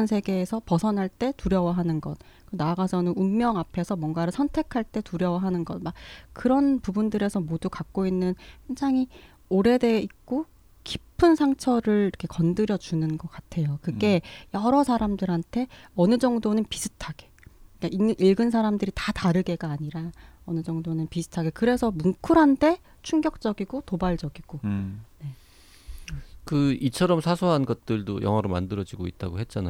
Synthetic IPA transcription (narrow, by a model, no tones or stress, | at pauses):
nsʰe̞ɡe̞ːsʰʌpʌsʰʌnɦaɭt͈e̞tuɾjʌwaɦanɯnɡʌ̰t̚ | kkɯnaɡasʰʌnɯnumːjʌŋapʰesʰʌmwʌŋɡaɾɯsʰʌntʰe̞kʰaɭt͈e̞tuɾjʌwaɦanɯnɡʌtmak̚k͈ɯɾʌnpubundɯɾe̞sʰʌmodukak̚k͈oinːɯnɸend͡ʑaŋɦi | oɾe̞de̞ik̚k͈o | kipʰɯnsʰaŋt͡ɕʰʌɾɯɭiɾkʰekʌndɯɾjʌd͡ʑunɯnɡʌk͈atʰe̞jokɯɡe̞jʌɾʌsʰaɾamdɯɾɦantʰe̞ʌnɯd͡ʑʌŋdonɯnpisʰɯ̥tʰaɡ̥e̞̥k͈aiʔiɭɡɯnsʰaɾamdɯɾitataɾɯɡe̞ɡaːɲiɾaʌnɯd͡ʑʌŋdonɯnpisʰɯ̥tʰaɡe̞kɯɾe̞sʰʌmuŋkʰɯɾɦande̞ | t͡ɕʰuŋɡjʌk̚t͡ɕ͈ʌɡiɡotobaɭd͡ʑʌɡiɡ̥one̞ | kɯit͡ɕʰʌɾʌmsʰasʰuɦanɡʌt̚t͈ɯɭdojʌ̰ŋɦwʌɾoma̰ndɯɾʌd͡ʑiɡoit̚t͈aɡoɦe̞t̚t͡ɕ͈ana̰